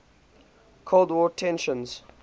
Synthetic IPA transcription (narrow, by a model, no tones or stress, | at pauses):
kʰolˠdwɔtʰɛ̃nʃə̃nz̥